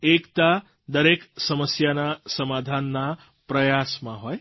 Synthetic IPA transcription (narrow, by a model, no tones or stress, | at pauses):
ekt̪a | d̪əɾeksəməsjanasəmad̪ʱanːa | pɾəjasmãɦɔj